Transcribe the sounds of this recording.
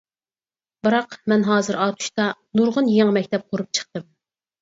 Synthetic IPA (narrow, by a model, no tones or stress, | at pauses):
bɨɾɑqmɛnɦɑːzɨɾɑːt̪ʰu̥ʃt̪ɑnuɾʁʊnjeŋmɛkʲt̪ʰɛp̚qʰoɾup̚t͡ʃʰə̥χt̪ɨm